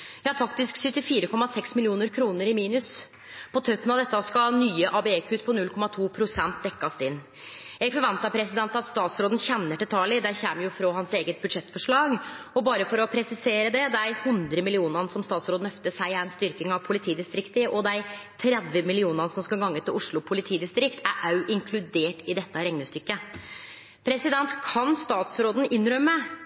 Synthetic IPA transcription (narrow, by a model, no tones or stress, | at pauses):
jɑːfɑkt̪ɪsksʏt̪ːɪfiːɾəkʰɔmɑsɛksmɪlɪuːnəɾkʰɾuːnəɾɪmiːnʉs | pʰɔt̪ʰœʏpənɑʋd̪ɛt̪ːəskɑnyːəʔɑbɛɛkʰʉt̪pʰɔnʉlkʰɔmɑt̪ʰuːpʰɾʊsɛnt̪̚d̪ɛkːɑst̪ɪnː | jɛɡfɔɾʋɛnt̪ɑpʰɾɛsɪd̪ɛnt̪ɑt̪st̪ɑːt̪sɾoːd̪ən̩çɛnːəʈɪlt̪ʰɑːlɪd̪æçɛmjʊfɾɔɦɑnseːɡət̪̚bʉd̪ʂɛt̪fɔʂɭɑːɡɔbɑːɾəfɔɾɔpʰɾɛsɪseːɾəd̪ɛd̪æɪhʉnd̪ɾəmɪlɪuːnɑnəsɔmst̪ɑːt̪sɾoːd̪n̩œft̪əsæɪæɛnst̪ʏɾkɪŋɑʋpʰʊlɪt̪ʰiːd̪ɪst̪ɾɪkt̪əʔɔd̪æɪt̪ʰɾɛd̪ʋəmɪlɪuːnɑnəsɔmskɑlɡɑŋːət̪ʰɪlʔʊʂɭʊpʰʊlɪt̪ʰiːd̪ɪst̪ɾɪkt̪ʰæɾʔɑʉʔɪŋkʰlʉd̪eːʈɪd̪ɛt̪ːəɾɛŋnəst̪ʏkːə | pʰɾɛsɪd̪ɛnt̪kʰɑnst̪ɑːt̪sɾoːd̪n̩ɪnːɾœmːə